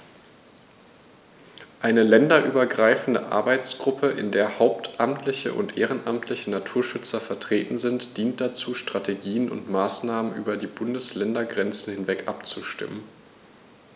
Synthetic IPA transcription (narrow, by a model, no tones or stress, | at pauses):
ʔaɪnəlɛndɐʔyːbɐɡʁaɪfn̩də̰ʔa̰ɐbaɪt͡sɡ̥ʁʊpʰəʔɪ̰ndeːɐhaʊp̚tʰʔamtʰlɪçə̰ʔʊ̰ntʔeːʁ̞ənʔamtʰlɪçənatʰuːɐʃʏt͡sɐfɛɐtʁ̥eːtn̩zɪntd̥iːnt̚d̥at͡suːʃtʁ̥atʰeɡiːənʊ̰ntmaːsnaːmənʔy̰ːbɐdiːbʊndəslɛndɐɡʁɛnt͡sn̩hɪnvɛkʔapt͡suʃtɪ̰mən